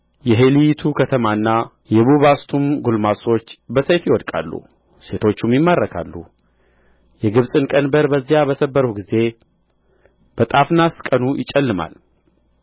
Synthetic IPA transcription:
jɛɦe̞lijt̪ʰukʰət̪ʰəmaɨnːa | jɛβuβast̪ʰumɡulmaso̞t͡ʃːbəsəjfjɪwɔd̪kʼa̰lːṵ | se̞t̪ʰo̞t͡ʃːumjɪmːarːəkʰa̰lːṵ | jɛɡɨβsʼɨnkʼənbəɾbəzːijabəsəbːəɾuɡize̞ | b̥ət̪ʼafnaskʼənujɪt͡ʃʼːɛlːɨma̰l

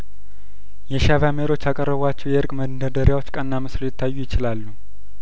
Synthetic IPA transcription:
jɛʃavameɾo̞t͡ʃːjakʼərːəβat͡ʃːɛwjɛɨɾkʼmənd̪əd̪əɾjawo̞t͡ʃːkʼənːamɨslojɪt̪ʰːajːujɪt͡ʃɪlalːu

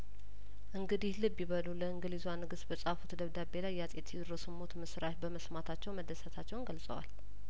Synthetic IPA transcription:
ʔɨŋɡɨd̪ihlɨbːjiβəluləɨŋɡɨlizuanɨɡɨsbəsʼafut̪d̪əβd̪abe̞lajːat͡sʼe̞t̪ʰjɛd̪ɾosɨmo̞t̪mɨsɾat̪bəməsmat̪ʰat͡ʃːɛwməd̪əsət̪ʰat͡ʃːɛwnɡəlsʼə̰wa̰l

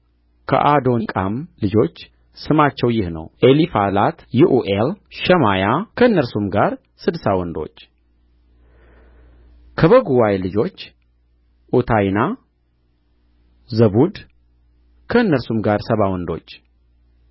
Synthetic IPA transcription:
kʰə̰ʔad̪o̞kʼamlɨd͡ʒo̞t͡ʃː | sɨmat͡ʃːɛwjɪhnə̰wʔelifalat̪juʔuʔelʃɛmajakʰənːəɾsumɡaɾ | sɨd̪sawɔnd̪o̞̰t͡ʃː | kʰəβəɡuwajlɨd͡ʒo̞t͡ʃː | ʔut̪ʰajna | zəβud̪ | kʰəɨnːəɾsumɡaɾsəβawɔnd̪o̞̰t͡ʃː

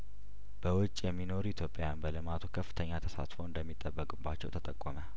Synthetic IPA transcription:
b̥əwʊt͡ʃʼːjɛmːino̞ɾit̪ʰjo̞pʼːjanbəlɨmat̪ʰukʰəfːɨ̥t̪ʰəɲːat̪ʰəsa̰t̪foɨnd̪əmːit̪ʼːəbːəkʼɨbːat͡ʃːɛ̰wt̪ʰət̪ʼəkʼːɔmə

